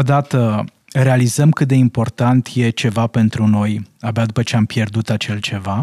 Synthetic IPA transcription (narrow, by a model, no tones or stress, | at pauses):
od̪at̪ə | re̞alizəmkɨt̪̚d̪e̞impo̞rt̪ant̪je̞t͡ʃe̞vape̞nt̪ɾuno̞jabad̪upət͡ʃe̞ampje̞rd̪ut̪at͡ʃe̞lt͡ʃe̞va